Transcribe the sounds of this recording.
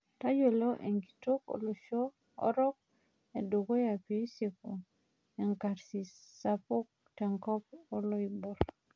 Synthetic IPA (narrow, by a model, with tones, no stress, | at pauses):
ta˦jo˨lo˦ʔe˨ŋɡi˨to˦ko̰˨˦lo˨ʃɔ˦ | ɔ̰˦ɾɔ˦k̚ | e˨do˨ɡo˦ja˨pe˦i˦se˨ko˨ | ɛ˨ŋka˨ɾsi˨sa˦po˦k̚tɛ˨ŋkɔ˦pɔ˦lo˦i˨bo˨ɾ